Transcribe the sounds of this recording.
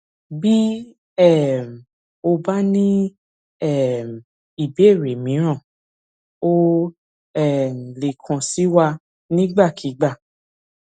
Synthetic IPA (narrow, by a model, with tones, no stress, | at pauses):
bi˦ | ɛ˦˨m̩˨ | o˧ba˦nĩ˦ | ɛ˦˨m˨ | i˨be˨˦e˦˨ɾe˨mĩ˨˦ɾ̃ã˦˨ | o˦ | ɛ˦˨m˨le˨kʰã˨si˨˦wa˧ | nĩ˦ɡ͡ba˦˨kʰi˨˦ɡ͡ba˦˨